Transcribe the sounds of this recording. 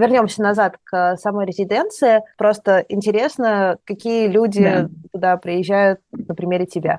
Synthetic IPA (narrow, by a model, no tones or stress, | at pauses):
vʲɪrnʲo̞msʲənɐzat̪kəsɐmo̞jɾʲɪzʲɪdʲe̞nt̪sɨɪpɾo̞st̪əʔɪnʲtʲɪɾʲe̞snəkɐkʲijəlʲudʲɪt̪ʊd̪apɾʲɪjɪʑʲːæjʊt̪̚nəpɾʲɪmʲeɾʲɪtʲɪbʲa̰